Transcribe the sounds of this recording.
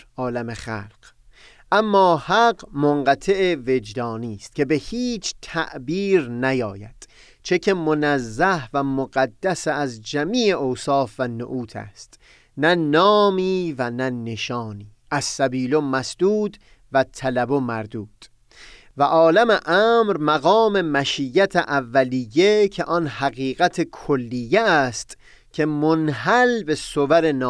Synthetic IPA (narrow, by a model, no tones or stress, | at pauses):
ɒːlæmeχæ̰lq | ʔæmːɒːhæɢmoɴɢæt̪ʰeʔeve̞d͡ʒd̪ɒːniːst̪̚cʰe̞be̞hiːt͡ʃʰt̪ʰæ̰ʔbiːɾnæjɒːjæ̰d̪̥ | t͡ʃʰe̞cʰe̞monæzːæhvæmoɡæd̪ːæseːzd͡ʒæmiːʔeʔowsɒːfvæno̰ʔuːt̪ʰæ̰st̪ | nænɒːmiːvænæne̞ʃɒːniː | æsːæbiːlomæsd̪̥uːd̪ | væt̪ʰælæbomæɾd̪uːd̪̥ | væʔɒːlæmeʔæːmɾmæɣɒːme̞mæʃijːæt̪ʰeʔævːælijːe̞cʰe̞ʔɒnhæɣiːɣæt̪ʰekʰolːijːeæst̪ | cʰe̞monɦælbe̞sovæɾe̞nɒː